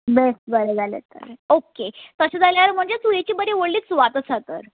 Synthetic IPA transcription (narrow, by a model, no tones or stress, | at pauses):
besbəɾed͡zalḛt̪ə̰ɾeoket̪əɕad͡zaljaɾm̤əɳd͡ʑetuɦet͡ɕiːbəɾeʋoɽliːksʋat̪əsat̪ə̰ɾ